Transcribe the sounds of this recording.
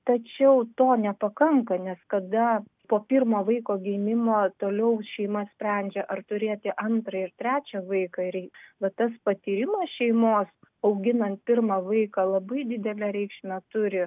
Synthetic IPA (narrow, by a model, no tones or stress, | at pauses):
t̪ɐt͡ʃʲɛʊt̪oːnʲɛpɐkɐŋkɐnʲɛskɐd̪ɐ | poːpʲɪrmoːʋɐɪkoːɡʲɛɪmʲɪmoːt̪oːlʲɛʊʃʲɛɪmɐsʲpʲɾʲænʲd͡ʒʲɛʔɐrt̪ʊɾʲeːt̪ʲɪʔɐnt̪ɾɐɪrt̪ʲɾʲæːt͡ʃʲɛʋɐɪkɑɾʲɛɪʋɐt̪ɐspɐt̪ʲiːɾʲɪmɐsʃʲɛɪmoːs | ɐʊɡʲɪnɐnt̪̚pʲɪrmɑːʋɐɪkɑlˠɐbɐɪd̪ʲɪd̪ʲɛlʲæɾʲɛɪkʃʲnʲɐt̪ʊɾʲɪ